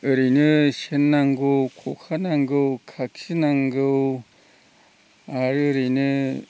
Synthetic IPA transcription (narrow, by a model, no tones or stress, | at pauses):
ɯɾinɯɕenːaŋɡɯwkʰokʰanaŋɡɯwkʰakʰinaŋɡɯw | aɾɯɯɾinɯ